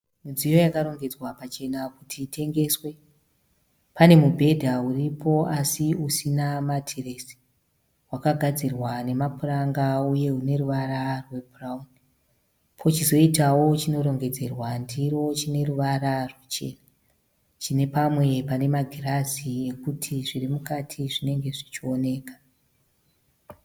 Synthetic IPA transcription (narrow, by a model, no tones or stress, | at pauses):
mud͡zijo̞jakaɾo̞ŋɡe̞d͡zwapat͡ʃe̞nakutʰitʰe̞ŋɡe̞swe̞ | pane̞mubʱe̞dʱauripo̞asiusinamatʰiresi̥ | wakaɡʱad͡zirwane̞mapuraŋɡauje̞une̞ruʋaɾarwe̞bʱurauni | pʰo̞t͡ʃizo̞itawo̞t͡ʃino̞ɾo̞ŋɡe̞d͡ze̞rwandiɾo̞t͡ʃine̞ruʋaɾarwet͡ʃe̞̰ːna | t͡ʃine̞pamwe̞pane̞maɡʱiraziekutʰiʐirimukatʰiʐine̞ŋɡe̞ʐit͡ʃio̞ne̞ːkḁ